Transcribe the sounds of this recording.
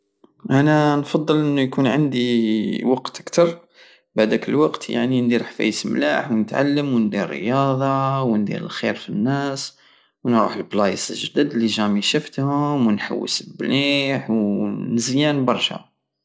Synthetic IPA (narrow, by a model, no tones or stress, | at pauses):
ʔænænfɑd̪ˤːəlʔənːujkunʕand̪iwɑqt̪ʔəkt̪ɑɾˤ | baʕd̪ækəlwɑqt̪ja̰ʕnind̪iɾħfæ̰jəsmla̰ħwnət̪ʕa̰lːəmwnd̪iɾ̰ːjɑd̪ˤɑwnd̪ḭɾə̰lxiɾfinːæs | wnɾṵħəlblɑjəsə̰lʒd̪əd̪lːiʒæmiʃəft̪hʊmwənħa̰wːḭsəbliħwnəzjænbɑɾˤʃa̰